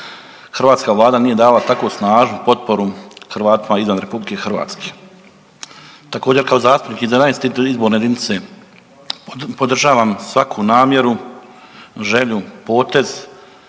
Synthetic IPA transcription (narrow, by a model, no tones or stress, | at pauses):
xr̩ʋaːt̪skaʋlaːd̪anije̞d̪aːlat̪akosnaːʒnupo̞t̪̚po̞ɾuxrʋaːt̪imaizʋanɾe̞publike̞xr̩ʋa̰ːt̪ske | t̪ako̞ːd͡ʑe̞ɾkao̞zaːst̪upnikizanajnst̪it̪izboːɾne̞d̪init̪se̞ | pod̪r̩ʒaːʋaːmsʋakʰunaːmje̞ɾu | ʒe̞ʎupo̞ːt̪e̞z̥